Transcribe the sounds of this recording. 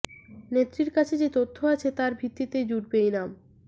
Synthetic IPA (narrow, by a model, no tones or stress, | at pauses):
net̪ːɾiɾkat͡ɕʰed͡ʑet̪ot̪ʰːoat͡ɕʰet̪aɾbʱit̪ːit̪ed͡ʑuɖbejnam